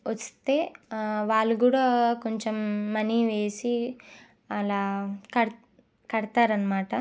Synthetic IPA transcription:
ʋɐst̪e̞ːʋaːɭːuɡuːɽaːkoɲt͡ʃemːɐniʋe̞ːsi | ɐlaːkɐɽ | kɐɽɐt̪aːɾɐnːɐmaːʈɐ

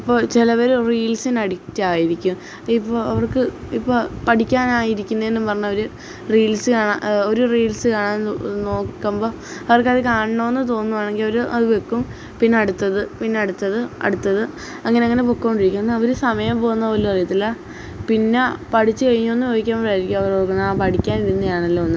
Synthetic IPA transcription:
ipːo̞ːt͡ɕilɐpeɾuriːlsinɐɽit͡ɕːaːjiɾikʲːum | ipːoːɐʋɐrkɨ | ipːopɐʈikʲːaːnaːjiɾikʲːunːɐenːɨpɐrɐɲːɐʋɐɾu | riːlsɨkaːɳaːo̞ɾuriːlsɨkaːɳaːnno̞ːkkːɐmbo̞ː | ɐʋɐrkɐðikaːɳɳoːenːɨt̪o̞ːnːuʋaːɳe̞ŋɡilɐʋɐɾuʔɐ̰ðɨʋekːum | pinːeɐɽut̪ːɐðɨpinːeɐɽut̪ːɐðɨɐ̰ɽut̪ːɐðɨ | ɐŋːɐneɐŋːɐnepokːɐːoɳɖiɾikʲːumnɐʋɐɾusɐmɐjɐmpo̞ːunːɐolːupɐrɐjɐt̪ːilːɐ | pinːepɐʈit͡ɕːɨkɐɻiɲːoonːɨʋoːjikʲːaːmɾaːjiɾikʲːumɐʋɐrorkːɨnaːpɐʈikʲːaːniɾunːɐjaːɳɐlːoːonːɨ

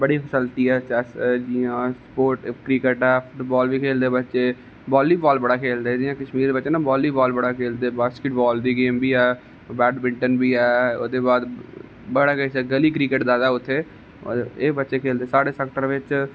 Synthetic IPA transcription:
bəɽiːpʰəsəlt̪iːɛːt͡ʃɛsd͡ʒɪãːspoːɾʈkɾiːkəʈɛːfʰʊʈbɔːlʋiːkʰeːld̪eːbətːʃeː | bɔːliːbɔːlbəɽaːkʰeːld̪eːd̪ɪjãːkəʃmiːɾd̪eːbətːʃeːnãːbɔːlːiːbɔːlbəɽaːkʰeːld̪eːbaːskɪʈbɔːld̪iːɡeːmbiːɛː | bɛːɖbɪ̃ɳʈənbiːɛːo̰ːd̪eːbaːd̪ | bəɽaːkəisɛɡəliːkɾiːkəʈd̪aːd̪aːʊt̪ʰːeː | eːbətːʃeːkʰeːld̪eːsaːɽeːsɛːk̚ʈəɾʋɪt͡ʃ

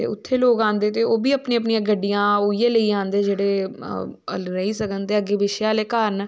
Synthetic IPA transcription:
t̪ḛːʊ̰t̪ʰːeːloːkãːnd̪eːt̪eːoːbiːəpniːəp̬nijãːɡəɖːijãːoːijeːləiːãːnd̪eːd͡ʒeːɽeː | ə̰lɾəiːsəkənt̪eːəɡeːʋɪʃjaːleːkaːɾən

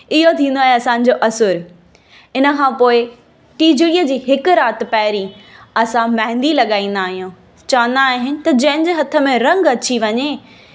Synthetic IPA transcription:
ɪɦot̪ʰĩːnd̪oaːɦeɐsãːɲ̆d͡ʑoːʔɐsʊɾ | ɪnə̆kʰãːpoːɪ | ʈiːd͡ʑɪɽijəd͡ʑiːɦɪkʊ̆ɾaːt̪ɪ̆pɐːɪɾiɐsãmɐɦɪ̃nd̪ilɐɠaːĩːn̆d̪aːɦijũː | t͡ɕɐʋə̃nd̪aːɦɪnɪ̆t̪ɐd͡ʑɐ̃ɦɪ̃ɲd͡ʑeːɦɐt̪ʰə̆mẽɾɐ̃ŋɡɐt͡ɕiʋɐɲe

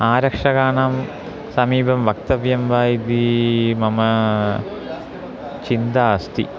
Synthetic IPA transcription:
aːɾɐkʂɐɣaːɳaːm | sɐmiːbʱɐmʋɐk̚t̪ɐʋjɐmʋaːjid̪imɐmɐ | t͡ɕind̪aːst̪ḭ

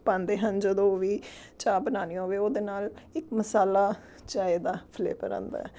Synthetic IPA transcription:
pãːnd̪eːɦənd͡ʒəd̪õːʋiːt͡ʃaːbənaːniːoːʋeːoːd̪eːnaːlɪkməsaːlaː | t͡ʃaːeːd̪aːpʰlḛːpə̰ɾã̰ːnd̪a̰ːɛ

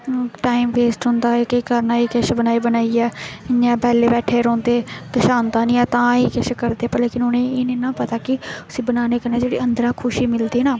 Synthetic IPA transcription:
ʈaːimʋeːsʈɦʊ̃nd̪aːeːkəiːkəɾnaːiːkəʃbənaːiːbənaːiːɛːɪɲːãːpɛːleːbɛːʈʰeːɾɔ̃ːnd̪eːk̪əʃaːnd̪aːnĩːɛːt̪ãːiːkəʃkəɾd̪eːpəleːkɪnʊnẽːeːnẽːnãːpət̪aːkɪʊsiːbənaːneːkəɾneːd͡ʒeːɽḭːənd̪əɾãːkʰʊʃiːmɪld̪iːnãː

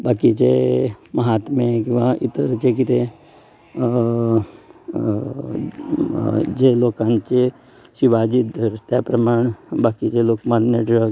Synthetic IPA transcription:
baːkit͡ʃemɐɦaːt̪mẽkĩʋait̪əɾt͡ʃek̬it̪e | d͡ʒeloːkãnt͡ʃe | siʋad͡ʒit̪̚d̪ʱəɾt̪apɾɐmaːɳ̃baːkit͡ʃeloːkmanneɖɾəɡ

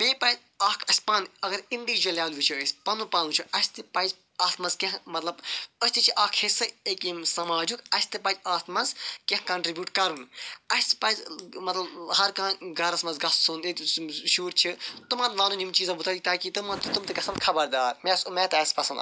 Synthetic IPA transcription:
pẽːpɐz | aːkʰɐsʲpɐnɐɡɐɾind̪ikd͡ʒɐlʲjaːnʋit͡ʃʰiəsʲpɐnũpɐnũt͡ʃʰiʔɐsʲt̪ɨpɐz | aːst̪mɐzkẽɦmɐt̪lɐbəsʲt̪it͡ʃʰiʔaːkʰhesɨekimsɐmaːd͡ʒukɐsʲt̪ɨpɐd͡ʒʲaːst̪mɐnzkẽɦkɐɳʈɾibʲjuːʈkɐɾũnɐsʲt̪ɨ̥pɐzʲmɐt̪lɐbɦɐɾkãːɡɐɾɐsmɐnzɡɐssuneʃuːɾt͡ʃʰit̪umɐ̃nnaːnũnimt͡ʃiːzãbut̪ʰɐːd̪it̪aːkit̪ɨmɐnt̪t̪umt̪ɨɡɐsɐnkʰɐbɐɾd̪aːɾmesumeːt̪ɐsʲpɐsɐnd̪

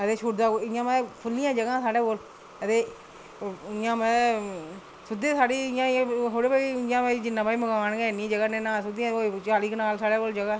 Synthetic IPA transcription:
ət̪eːʃʰʊʈd̪aːkoɪjãːmɛ̃ːpʰʊlːijãːd͡ʒəɡãːsaːɽeːkoːl | ət̪eː | ɪjãːmɛ̃ː | sʊd̪eːsaːɽiːɪjãːɦoːɽeːpaːiɪãːaːd͡ʒɪnːãːpaːiməɡaːnɡɛːnĩːd͡ʒəɡaːnenãːsʊd̪iãːot͡ʃaːliːknaːlsaːɽeːkoːld͡ʒəɡãː

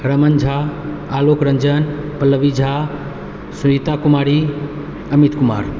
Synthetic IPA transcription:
ɾəmənd͡ʒʱaː | lokɾənd͡ʒənpələʋid͡ʒʱa | suit̪akumaːɾi | əmit̪kuma̰ːɾ

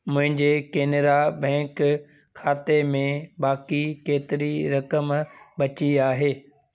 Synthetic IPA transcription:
mʊ̃ɦɪ̃ɲd͡ʑekeːneɾabɛ̃ːk | kʰːaːt̪emẽbaːkikeːt̪ɪɾiɾɐkəmbɐt͡ɕiaːɦeː

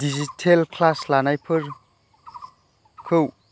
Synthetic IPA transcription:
dizitʰelkʰlaslanajpʰɯɾ | kʰɯw

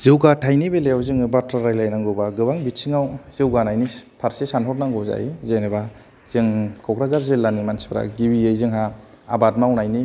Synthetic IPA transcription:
zɯwɡatʰajnibelejawzɯŋɯbatʰaɾajlajnaŋɡɯwbaɡɯbaŋbitsʰiŋawz̥ɯwɡanajnipʰaɾsesanhɔt̚naŋɡɯwza̰jzeneba | z̥ɯŋkʰɔkɾazaɾzelːanimansi̥pʰɾa̰ɡibiejzɯŋɦa | abat̚mawnajni

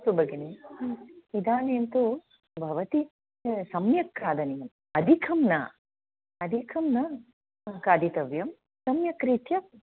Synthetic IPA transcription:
t̪ubɐɡine | id̪aːneːnt̪u | bʱɐʋɐt̪i | sɐmjɐkɾaːd̪ɐnejɐm | ɐd̪ʱikʰɐmnɐ | ɐd̪ʱikʰɐmnɐ | kaːd̪ʱit̪ɐʋjɐm | sɐmjɐkɾit̪jɐ

